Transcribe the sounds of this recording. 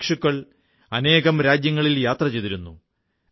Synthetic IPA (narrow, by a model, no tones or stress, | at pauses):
kʂukːɐɭ | ɐne̞ːɣɐmɾaːd͡ʑjɐŋːɐɭiljaːt̪rɐt͡ɕejðiɾunːu